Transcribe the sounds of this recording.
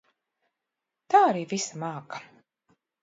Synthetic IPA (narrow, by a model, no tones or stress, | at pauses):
t̪aːaɾiːvisamaːkḁ